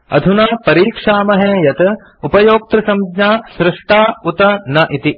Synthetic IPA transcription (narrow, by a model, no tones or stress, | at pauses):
ɐ̰d̪ʱunaːpɐɾiːkʂaːmɐɦeːjɐt̪ɐ | upɐjoːk̚t̪ɾɐsɐmɡɲaːsɾɪʂʈaːut̪ɐnɐʔit̪i